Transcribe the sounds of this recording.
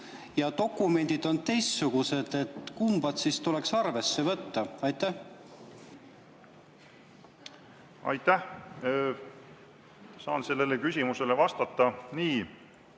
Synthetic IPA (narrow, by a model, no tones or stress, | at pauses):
jɑt̪o̞kːˑume̞nʲd̪̥id̪̥o̞nt̪e̞jst̪suɡ̥use̞d̪̥e̞t̪kumbɑt̪sist̪ule̞ksɑrve̞sːe̞vɤt̪ːɑɑjt̪ːˑæh | ɑ̰jt̪ːæh | sɑːnse̞lːelekysʲimuse̞levɑst̪ɑt̪ːˑɑniː